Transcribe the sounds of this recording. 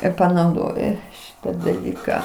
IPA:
ɪr pɐnɐʊˈdoːjʊ ˈʃʲɪtɐ dɐˈlʲiːkɑː

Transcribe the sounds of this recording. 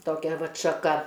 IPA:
toːˈkʲɛ ˈʋɐt ʃɐˈkɐ

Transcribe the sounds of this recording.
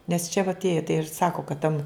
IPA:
nʲɛs t͡ʃʲɛ ʋɐ ɐtʲˈeːjɛ tɐɪ ɪr ˈsɑːkoː kɐt tʲɛn

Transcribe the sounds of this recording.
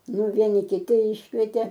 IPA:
ˈnʊ ˈʋʲiɛnʲɪ kʲɪˈtʲɪ ˈɪʃkʋʲiɛtʲeː

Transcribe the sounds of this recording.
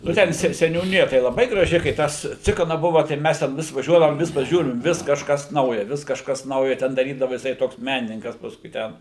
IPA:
ˈnʊ ˈtʲɛn sʲɛ sʲɛnʲuːˈnʲɪjɛ tɐɪ lˠɐˈbɐɪ ɡrɐˈʒʲɪ kɐɪ ˈtɐs ˈt͡sʲɪkɐnɐ ˈbʊʋɐ tɐɪ ˈmʲɛs tʲɛn ˈʋʲɪs ʋɐˈʒʲuɔdɐʋoːm ˈʋʲɪs pɐˈʒʲuːrʲɪm ˈʋʲɪs kɐʃˈkɐs nɐʊjɛ ˈʋʲɪs kɐʃˈkɐs ˈnɐʊjɛ ˈtʲɛn dɐˈrʲiːdɐʋɐ jɪˈsɐɪ ˈtoːks ˈmʲæːnʲɪnʲɪŋkɐs ˈpɑːskʊɪ ˈtʲɛn

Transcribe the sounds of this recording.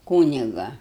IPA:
ˈkuːnʲɪɡɐ

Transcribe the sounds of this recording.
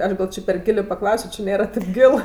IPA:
ˈɐʃ ɡɐlʲ ˈt͡ʃʲeː pʲɛr ˈɡʲɪlʲeː pɐˈklˠɐʊsʲoː t͡ʃʲɪ ˈnʲeːrɐ tʲeːp ˈɡʲɪlˠ

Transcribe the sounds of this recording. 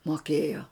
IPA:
moːˈkʲeːjoː

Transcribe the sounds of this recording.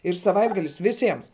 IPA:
ɪr sɐˈʋɐɪdɡɐlʲɪs ʋʲɪˈsʲiɛms

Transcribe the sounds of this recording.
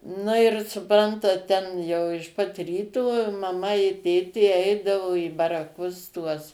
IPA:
ˈnʊ ɪr sʊˈprɐntɐt ˈtʲɛn jɛʊ ɪʃ pɐt ˈrʲiːtoː mɐˈmɐ ɪ ˈtʲeːtʲeː ˈɛɪdɐʋoː iː bɐrɐˈkʊs tuɔs

